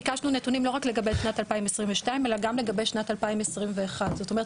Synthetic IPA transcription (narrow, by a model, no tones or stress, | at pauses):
kaʃnunetunimlo̞ʁakleɡabeʃnatalpaimesʁimveʃtaime̞laɡamle̞ɡabe̞jʃnatalpaimesʁimveːχadzo̞tomeʁt